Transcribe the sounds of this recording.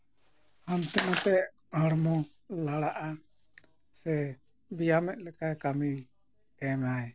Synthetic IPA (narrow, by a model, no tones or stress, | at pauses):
hant̪ɛnat̪ɛʔ | haɽmɔ | laɽaʔa | sɛ | bijamɛʔ̚lɛkakami | kɛmaj